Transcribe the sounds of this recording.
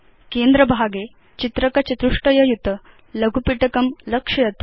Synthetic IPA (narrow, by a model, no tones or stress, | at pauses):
kend̪ɾɐbʱaɡe | t͡ɕit̪ɾɐkɐt͡ɕit̪ɾuʂʈɐjɐjut̪ə | lɐɡʱupiʈɐkɐmlɐkʂɐjɐt̪u